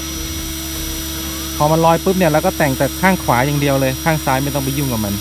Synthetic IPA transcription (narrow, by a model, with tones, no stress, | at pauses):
kʰɔː˨˩˦ma˧nlɔː˧jpɯː˦˥p̚ni˥˩ɐlɛ˦˥wkɔː˥˩t̪ɛː˨˩ŋt͡ɕaː˨˩kʰaː˥˩ŋkʰwaː˩˦jaː˧ŋdi˧əwlɤː˧jkʰaː˥˩ŋsaː˦˥jma˥˩jt̪ɔ˥˩˨pa˧juː˥˩ŋka˨˩ma˧n